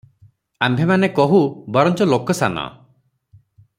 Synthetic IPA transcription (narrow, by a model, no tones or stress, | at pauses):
ambʱemanekɔɦubɔɾɔnt͡ʃɔlokɔsa̰nɔ̰